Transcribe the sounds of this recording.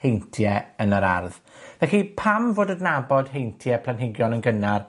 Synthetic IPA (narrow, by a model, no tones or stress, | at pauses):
hejntʰjɛənəɾa̰rð | vɛxipʰamvoːdədnabɔd̥hejntʰjɛpʰlˠanɦɪɡjɔnənɡənar